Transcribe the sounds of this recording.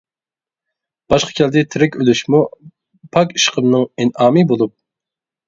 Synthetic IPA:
b̥ɑʃqʰɑ̥kʲʰɛld̪ɛt̪ʰɪɾɛkʲølyʃmu | pʰɑki̥ʃqʰəmnɨŋinɑːmɨbolˠup̚

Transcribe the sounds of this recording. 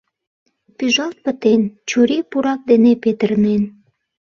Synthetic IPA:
pyʒɑlt̪̚pət̪ent͡ɕuɾepuɾɑk̚d̪enepet̪ərnen

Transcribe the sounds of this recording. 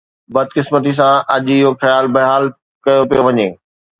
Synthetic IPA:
bɐd̪̚kɪsmət̪̬is̬ãʔɐʄɪɦoxɐjaːlbɐɦaːl | kɐjopijoʋɐɲeː

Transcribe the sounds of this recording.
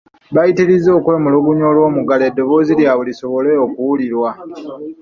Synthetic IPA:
βajitilizo̞ːkwe̞ːmuluβuɲolwo̞ːmuɡaledːo̞βo̞ːziljaβuliso̞βo̞le̞okuwuliɾwa

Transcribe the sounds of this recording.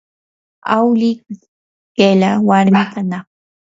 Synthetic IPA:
awlikɪ | kelawaɾmɪt̪anɑχ

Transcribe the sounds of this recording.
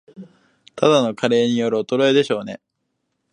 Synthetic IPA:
t̪ʰad̪ano̞kʰaɾe̞ːɲ̟ijo̞ɾɯ̟ot̪o̞ɾo̞ed̪eɕo̞ːne̞̰

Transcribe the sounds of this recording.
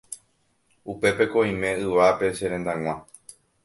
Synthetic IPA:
upe̞pe̞ko̞ĩmẽ̞ɨʋape̞ʃeɾẽnd̪aŋ̃ʷã

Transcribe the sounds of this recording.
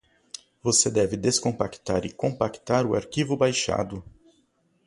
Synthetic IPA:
vosed̪ɛvɪd̪eskõpakt̪aɾɪkõpakt̪aɾʊa̰ɾkivʊbajʃa̰d̪ʊ

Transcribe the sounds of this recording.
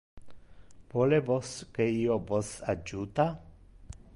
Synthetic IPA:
volevoskeiovosad͡ʒut̪a

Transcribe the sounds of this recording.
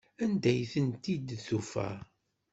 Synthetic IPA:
ænd̪æjθənt̪id̪θufæ̰

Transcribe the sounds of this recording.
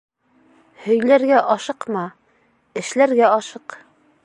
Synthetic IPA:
hɵ̆jlæɾɡæʔɒʃɤqmɑ | ɘ̆ʃlæɾɡæɒʃɤq

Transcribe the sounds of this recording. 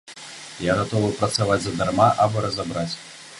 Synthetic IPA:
jaɣat̪ɔvɨpɾɐt̪savad͡zʲzɐd̪armaʔabɔɾɐzabɾat͡sʲ

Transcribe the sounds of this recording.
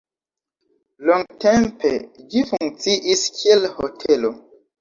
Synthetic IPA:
loŋɡtemped͡ʒifuŋkt͡siʔiskʰielho̰tʰelo

